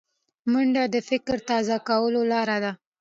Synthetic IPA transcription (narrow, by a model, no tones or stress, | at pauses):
məɳɖad̪əfɪkɾt̪ɑzakawəlolɑɾad̪a